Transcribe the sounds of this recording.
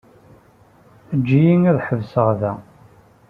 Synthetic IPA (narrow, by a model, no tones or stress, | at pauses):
əd͡ʒːijiŋæðħəvsəʁðæ